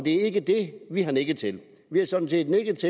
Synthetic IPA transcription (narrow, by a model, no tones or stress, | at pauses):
d̥e̝æɐe̝ɡ̥əd̥e̝ʋihɑ̈neɡ̥ət͡sʰe̝l | ʋiæsɒ̽d̥n̩se̝̰ːd̥neɡ̥ət͡sʰe